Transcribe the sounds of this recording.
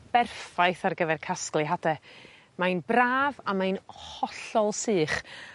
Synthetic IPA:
b̥ɛrfajθarɡəvɛrkʰasklˠɨɦadɛ | majnbraːvamajnhɔɬɔlˠsɨːχ

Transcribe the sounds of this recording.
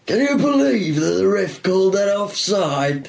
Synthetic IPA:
kʰə̃njəbɪliːvðəʔ̚ðə̰ɹɪfkʰɔʊlˠd̪ðəɾɔfsaɪd̥̚

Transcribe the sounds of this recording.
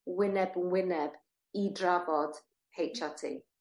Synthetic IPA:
wɪnɛbnwɪnɛb | idrabɔd̥ | hejt͡ʃʰatʰḭ

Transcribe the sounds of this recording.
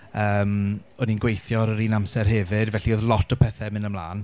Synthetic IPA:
əːmɔninɡwejθjɔɾəɾiːnamsɛrɦɛvɪdvɛɬioːðlˠɔtʰɔpʰɛθɛmɪnəmlˠa̰ːn

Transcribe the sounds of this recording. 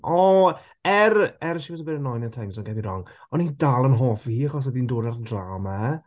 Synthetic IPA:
ɔ | ɛrɛɾʃivɛsəbɛɾənɔjnatʰɛŋsɔnɡɛbiɾɔŋɔnidalˠənɦoːfihiːaχɔs̬əðindoːdardraːma

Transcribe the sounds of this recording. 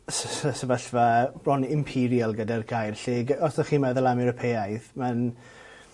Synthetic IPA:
ssəsəvaɬvabrɔnɪmpʰiɾialˠɡədarɡajrɬeːɡɔsaχiːmɛðɔlˠamɛɾəpʰeajθman

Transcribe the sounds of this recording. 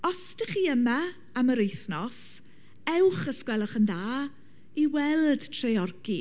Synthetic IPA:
ɔstəχiːəma | aməɾejθnɔs | ɛwχəskwɛlˠɔχənðaː | iwɛlˠd̥tʰrɛɔrɡi

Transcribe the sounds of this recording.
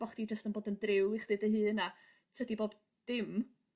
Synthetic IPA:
b̥ɔχd̥id͡ʒəstənboːdəndrɪwiχdɨdəɦɨːna | t͡sʰədiboːb | d̥ɪm

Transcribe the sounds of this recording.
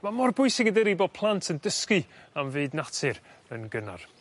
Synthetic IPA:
mamɔrbʊɨsɪŋədəɾibopʰlˠantʰəndəskɨamvɨɨdnatʰɨɾ | ənɡəna̰r

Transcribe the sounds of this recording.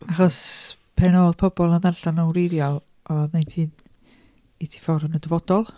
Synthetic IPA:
aχɔspʰɛnɔːðpʰɔbɔlˠənðɛrɬanɔwrejðjɔlˠ | ɔnejntʰiːn | itʰi̥fɔɾənədəvɔd̥ɔlˠ

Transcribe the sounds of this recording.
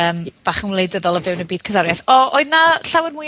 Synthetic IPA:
əːmb̥aːχənwlˠejdəðɔlˠəvɪwnəbiːd̥kʰədaɾjaθɔoɨðnaɬawərmuɨ

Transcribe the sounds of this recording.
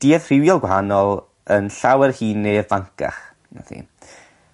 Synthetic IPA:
d̥iɛð̥r̥ɪwjɔlˠɡwhanɔlˠ | ənɬawɛrhiːnːeːvaŋkʰa̰χ | na̰θʰḭ

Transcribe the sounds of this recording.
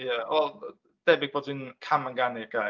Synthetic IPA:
jəwɛlˠ | d̥ɛbɪɡ̥̚b̥oːdinkʰaməŋɡanɪɡ̥aj

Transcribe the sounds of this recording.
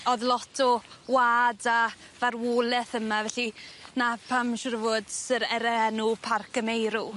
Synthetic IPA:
ɔðlˠɔtʰɔwaːda | varwoːlɛθəmavɛɬinapʰamʃrvʊd̥sɪɾɛɾɛɛnupʰarkʰəmejɾu

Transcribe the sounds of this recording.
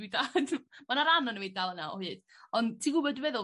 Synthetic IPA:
idad̥manaɾanɔnəwejd̚dalˠənawɔ̰hɨːd̥ | ɔntʰiɡʊbɔdvɛðʊ

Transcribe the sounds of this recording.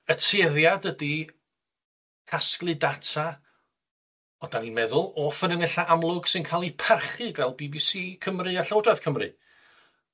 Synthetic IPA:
ətʰeðjadədi | kʰasklˠɨdatʰa | ɔdaninmɛðʊlˠɔfənənɛɬaʔamlˠʊɡ̥sɨnkʰaːlˠipʰarχɨvɛlˠbibisiːkʰəmrɨaɬowdaθkʰəmrɨ̰

